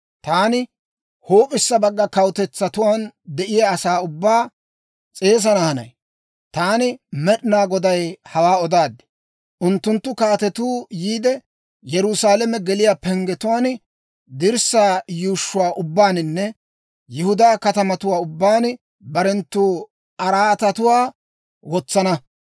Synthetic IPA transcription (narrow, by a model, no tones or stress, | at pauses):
t̪aːnɪ | hoːpʼɪsːɐbɐɡːɐkɐwt̪ɛt͡sːɐt̪ʊwaːnd̪ɛʔɪjaːsaːʊbːaː | t͡sʼe̞ːs̬ɐnɐhɐnɐ̰j | t̪aːnɪmɛɗɪnaːɡɔd̪ɐjhɐwaːɔd̪aːd̪ɪ̥ | ʔʊnt̪ːʊnt̪ːʊkaːt̪ɛt̪uːjiːd̪ɛ | jɛɾʊsaːlɛmɛɡɛlɪjaːpɛŋɡɛt̪ʊwaːn | d̪ɪɾsaːjuːʃːʊwaːʔʊbːaːnɪnːɛ | jɪhʊd̪aːkɐt̪ɐmɐt̪ʊwaːʊbːaːn | bɐɾɛnt̪ːuː | ɐɾaːt̪ɐt̪ʊwaː | wɔt͡sːɐnɐ